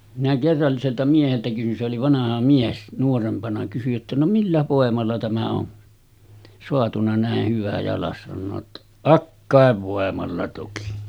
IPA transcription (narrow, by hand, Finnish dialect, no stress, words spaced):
minæ kerːɑlːiseltɑ mieheltæ kysyn se oli ʋɑnɑhɑ mies nuorempɑnɑ kysyj jotːɑ no milːæ ʋoˑemɑlːɑ tæmæ on soɑtunɑ næˑeh hyʋæ jɑlɑs sɑnːoː tːɑ̥ ɑkːɑˑeʋ ʋoˑemɑlːɑ toki